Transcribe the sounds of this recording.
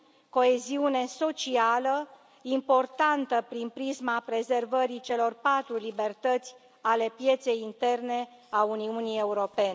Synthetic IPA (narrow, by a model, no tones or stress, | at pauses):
ko̞eziune̞so̞t͡ʃialə | impo̞rt̪ant̪əpɾinpɾizmapɾe̞ze̞rvəɾit͡ʃe̞lo̞rpat̪ɾulibe̞rt̪ət̪sʲ | ale̞pje̞t̪se̞jint̪e̞rne̞auniunie̞uɾo̞pe̞n